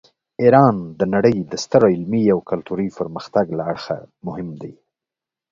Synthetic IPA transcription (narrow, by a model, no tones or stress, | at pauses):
iɾɑnd̪ənaɽəjd̪əst̪əɾaɪlmiawkalt̪uɾijpəɾməxt̪aɡlaaɽxa̰mʊhɪmd̪aj